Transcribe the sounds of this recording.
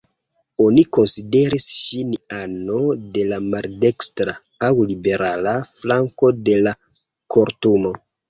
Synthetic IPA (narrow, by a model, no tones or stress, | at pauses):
o̞niko̞nside̞ɾisʃinano̞de̞lamalde̞kstɾa | awlibe̞ɾalaflaŋko̞de̞la | ko̞ɾtumo̞